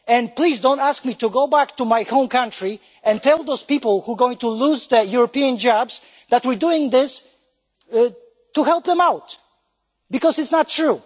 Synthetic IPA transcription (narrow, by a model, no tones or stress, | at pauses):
ɛ̃nplizdõʊ̃ntæsk̚mituɡoʊbæktumajhõʊ̃mkʰãntɹ̥i | ɛ̃ntʰɛlˠðoʊz̥pipəl̩ˠhuɹɡoɪ̃ŋtʰuluzðəjuɹɔpiɨ̃nd͡ʒɑbz̥ | ðætwɨɹduɪ̃ŋðɪs | tuhɛlˠpðɛ̃mawt | bɨkɔzɨtsnətʰːɹ̥u